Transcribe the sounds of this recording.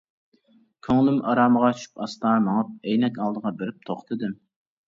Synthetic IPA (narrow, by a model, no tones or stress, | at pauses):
kʲʰøŋlymʔɑɾɑːməʁɑt͡ʃʰy̥ʃy̥pɑst̪ɑnɑŋɑp̚ɛjnɛkʲɑlˠd̪əʁɑbeɾɪp̚t̪ʰoχt̪ʰɨd̪ɨm